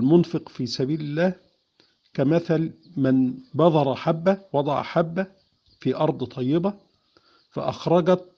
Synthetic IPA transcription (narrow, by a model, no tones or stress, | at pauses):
lmʊnfɨqfiːsæbiːlɪlːæːh | kæmæθælmɪnbɑðˤɑɾˤɑħabːæwɑd̪ˤɑʕ̰ħabːæ | fiːʔɑɾˤd̪ˤt̪ˤʰɑjːɪbæ | fæ̰ʔɑxɾˤɑɡæt̪̚